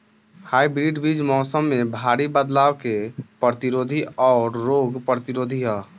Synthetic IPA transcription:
haibɾiɖbid͡ʒmɔʊsəmːebʱaɾibəd̪lawkepɾət̪iɾod̪ʱiɔʊɾːoɡpɾət̪iɾod̪ʱiɦɔ

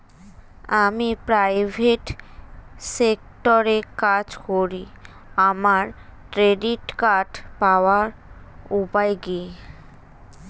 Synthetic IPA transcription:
amipɾajbʱeʈ | sek̚ʈoɾekad͡ʑkoɾi | amaɾkɾeɖiʈkaʈpawaɾupajɡie

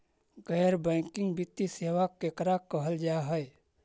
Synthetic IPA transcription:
ɡɛːɾbɛ̃ːŋkɪ̃ŋɡbɪt̪ːiseːʋakekɾakəɦəld͡ʒaɦɛe

